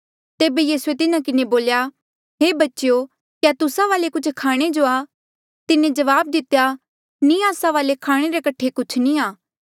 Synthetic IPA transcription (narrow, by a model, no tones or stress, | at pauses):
t̪eːbejiːsuet̪ɪnãkɪneboːlja | ɦeːbɐtːʃjo | kjat̪ʊsaʋaːlekʊt͡ʃʰkʰaːɽ̃ed͡ʒoaː | t̪ɪnẽd͡ʒɐʋaːb̚d̪ɪt̪eja | nĩaːsaʋaːlekʰaːɽ̃eɾekɐʈʰːekʊt͡ʃʰnĩaː